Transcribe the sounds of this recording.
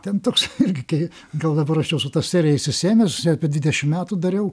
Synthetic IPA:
t̪ʲɛnt̪oːksɪrʲɡʲɪkɐɪ | ɡɐlˠd̪ɐbɐɾɐʃjɛʊsʊt̪ɑːssʲæːɾʲɪjɛɪsʲɪsʲeːmʲɛsɛpʲɪd̪ʲʋʲɪd̪ʲɛʃʲɪmmʲæːt̪ud̪ɐɾʲɛʊ

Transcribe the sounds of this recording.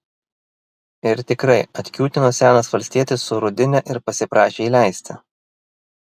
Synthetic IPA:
ɪɾt̪ʲɪkɾɐɪɐt̪ʲkʲuːt̪ʲɪnoːsʲæːnɐsʋɐlʲsʲt̪ʲiɛt̪ʲɪsːʊɾʊd̪ʲɪnʲɛʔɪɾpɐsʲɪpɾɑːʃʲeːiːlʲæˑɪsʲt̪ʲɪ

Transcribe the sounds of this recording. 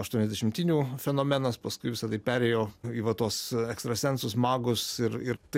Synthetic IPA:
ɐʃt̪uɔnɛzʲd̪ʲɛʃʲɪmʲt̪ʲiːnʲuːfʲɛnoːmʲɛnɐspɐskʊɪʋʲɪsɐd̪ɐɪpʲæːɾʲeːjoːiːʋɐt̪uɔsɛkst̪ɾɐsʲɛnsʊsmɑːɡʊsɪɾɪɾt̪ɐɪ

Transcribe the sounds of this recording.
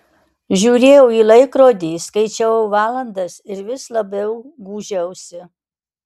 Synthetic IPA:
ʒʲuːɾʲeːjɛʊiːlˠɐɪkɾoːd̪ʲiːskɐɪt͡ʃʲɛʋɐʊʋɑːlˠɐnd̪ɐsɪɾʋʲɪslˠɐbʲɛʊɡuːʒʲɛʊsʲɪ

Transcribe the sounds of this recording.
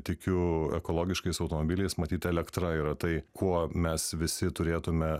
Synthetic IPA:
t̪ʲɪkʲʊɛkoːlˠoːɡʲɪʃkɐɪsɐʊt̪oːmoːbʲiːlʲɛɪsmɐt̪ʲiːt̪ʲɛlʲɛkt̪ɾɐiːɾɐt̪ɐɪkʰuɔmʲɛsʋʲɪsʲɪt̪ʊɾʲeːt̪ʊmʲɛ

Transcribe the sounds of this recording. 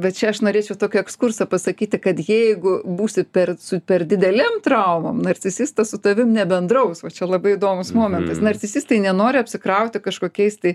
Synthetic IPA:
bʲɛt̪t͡ʃʲɛɐʃnoːɾʲeːt͡ʃʲɛʊt̪oːkʲɛɛkskʊrsɐpɐsɐkʲiːt̪ʲɪkɐt̪jɛɪɡʊbuːsʲɪpʲɛrsʊpʲɛrd̪ʲɪd̪ʲɛlʲemt̪ɾɐʊmɐmnɐrʲt͡sʲɪsʲist̪ɐsʊt̪ɐʋʲɪmnʲɛbʲɛnd̪ɾɐʊsʋɐt͡ʃʲɛlˠɐbɐɪɪd̪oːmʊsmoːmʲɛnt̪ɐsnɐɾʲt͡sʲɪsʲist̪ɐɪnʲɛnoːɾʲɪɐpʲsʲɪkɾɐʊt̪ʲɪkɐʃkoːkʲɛɪst̪ɐɪ

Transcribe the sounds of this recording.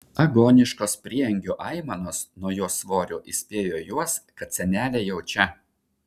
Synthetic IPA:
ɐɡoːnʲɪʃkoːspʲɾʲiːɛŋʲɡʲoːʔɐɪmɐnoːsnuɔjoːsʋoːɾʲoːʔɪsʲpʲeːjoːjuɔskɐt̪sʲɛnʲæːlʲeːjɛʊt͡ʃʲɛ

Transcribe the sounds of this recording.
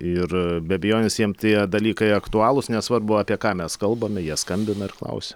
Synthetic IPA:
ɪrbʲɛbʲɛjoːnʲɪsjiɛmt̪ʲiɛd̪ɐlʲiːkɐɪɐkt̪ʊɑːlˠʊsnʲɛsʋɐrbʊɑːpʲiɛkɑːmʲɛskɐlˠbɐmʲɪjiɛskɐmʲbʲɪnɐɪrklˠɐ̰ʊsʲɛ̥

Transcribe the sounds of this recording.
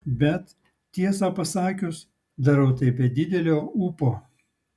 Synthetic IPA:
bʲɛt̪ | t̪ʲiɛsɑpɐsɑːkʲʊs | d̪ɐɾɐʊt̪ɐɪpʲiɛd̪ʲɪd̪ʲɛlʲoːuːpoː

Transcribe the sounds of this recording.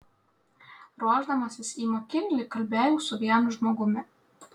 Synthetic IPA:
ɾuɔʒd̪ɐmɐsʲɪsiːmoːkʲɪlʲlʲiːkɐlʲbʲæːjuːsʊʋʲiɛnʊʒmoːɡʊmʲɪ

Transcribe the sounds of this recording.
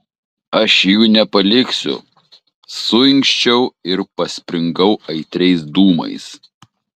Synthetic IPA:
ɐʃjuːnʲɛpɐlʲɪksʲʊ̰ | sʊɪŋʲkʃʲt͡ʃʲɛʊɪɾpɐsʲpʲɾʲɪŋɡɐʊɐɪt̪ʲɾʲɛɪs̬d̪uːmɐ̰ɪs

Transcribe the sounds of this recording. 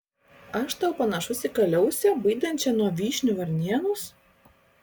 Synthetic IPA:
ɐʃt̪ɐʊpɐnɐʃʊsʲɪkɐlʲɛʊsʲɛbɐɪd̪ɐnʲt͡ʃʲɛnuɔʋʲiːʃʲnʲuʋɐɾʲnʲiɛnʊs

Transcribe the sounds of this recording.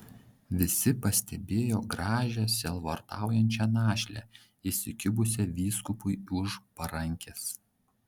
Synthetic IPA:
ʋʲɪsʲɪpɐsʲt̪ʲɛbʲeːjoːɡɾɑːʒʲɛsʲɛlˠʋɐɔɾt̪ɑ̰ˑʊjɛnʲt͡ʃʲɛnɑːʃʲlʲɛ̰ | isʲɪkʲʊbʊs̬ʲɛʋʲiːskʊpʊɪʊʃpɐɾɐŋʲkʲɛs

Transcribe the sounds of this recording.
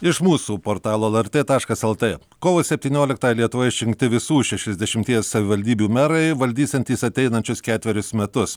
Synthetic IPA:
ɪʃmuːsuːpoːɾt̪ɑːlˠoːɛlˠɛɾʲt̪ʲeːt̪ɑːʃkɐsɛlˠt̪ʲeː | koːʋoːsʲɛpʲt̪ʲiːnʲoːlʲɪkt̪ɑːjɛlʲiɛt̪ʊʋoːjɛɪʃʲɪŋkt̪ʲɪʋʲɪsuːʃʲɛʃʲɛzd̪ʲɛʃʲɪmʲt̪ʲiɛssɐʋʲɪʋɐlʲd̪ʲiːbʲuːmʲæːɾɐɪʋɐlʲd̪ʲiːsʲɛnʲt̪ʲiːsɐt̪ʲɛɪnɐnʲt͡ʃʲʊskʲæːt̪ʲʋʲɛɾʲʊsmʲɛt̪ʊs

